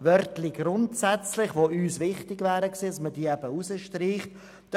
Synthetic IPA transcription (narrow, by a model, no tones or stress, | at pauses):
vœɾtlɪɡɾʊntsɛt͡slɪχʋoːʔyːsvɪχtɪɡvæːɾəksiːɑsmədiːɛbəusəʃtriːχt | d̥